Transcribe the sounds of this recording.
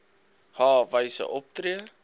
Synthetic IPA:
hɑːvəjsə̰ʔɔp̚triə

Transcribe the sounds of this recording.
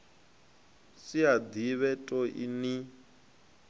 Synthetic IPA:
siad̪iβɛtʼɔʔḭni

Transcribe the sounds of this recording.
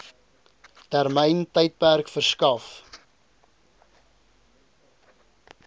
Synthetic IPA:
tærməjntəjt̚pærkfərskɐf

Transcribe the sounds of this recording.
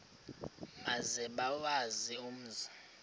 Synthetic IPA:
mazɛɓawazium̩ːzi

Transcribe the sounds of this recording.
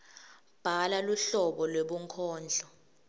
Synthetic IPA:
b̥ʱalaluɬɔɓɔlweɓuŋkʰɔːnd͡ɮʱɔ

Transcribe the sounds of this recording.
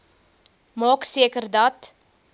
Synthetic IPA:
mɑːksiəkərdɐt

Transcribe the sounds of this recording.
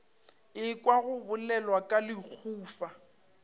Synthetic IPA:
ɪkʼwaɣʊbʊlɛlwakʼalɪk͡xʰuːfa

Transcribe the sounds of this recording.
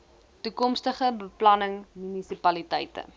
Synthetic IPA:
tukɔmstəχəbəplɐnəŋmynisipɐlitɛjtə̰

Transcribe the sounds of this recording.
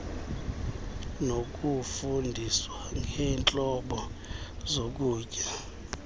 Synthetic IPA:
nok̬ʼufundʱiswaŋɛːnt͡ɬʼɔɓɔzok̬uːcʼa

